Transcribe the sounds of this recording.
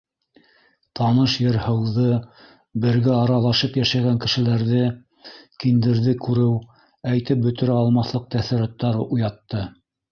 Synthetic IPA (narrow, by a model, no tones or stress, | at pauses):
t̪ɑnɤʃjɤɾhɤ̆wðɤ | bɘ̆ɾɡæɑɾɑlˠɑʃɤpjæʃæɣæŋkɘ̆ʃɘ̆læɾðɘ | kind̪ɘ̆ɾðɘkʉɾɘw | æjt̪ɘp̚bɵ̆t̪ɘ̆ɾæɑlˠmɑθlˠɤq̚t̪æθɘ̆ɾæt̪ːɑɾujɑt̪ːɤ